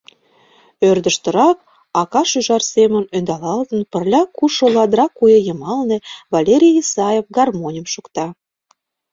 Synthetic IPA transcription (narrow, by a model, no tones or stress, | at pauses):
ørd̪əʃt̪ə̆ɾɑk̚ | ɑkɑʃyʒɑrsemə̆nønd̪ɑlɑlt̪ə̆npə̆rlʲɑkuʃolɑd̪ɾɑkːujejəmɑlnĕvɑlʲeɾʲijisɑjefɡɑrmonʲəmʃukt̪ɑ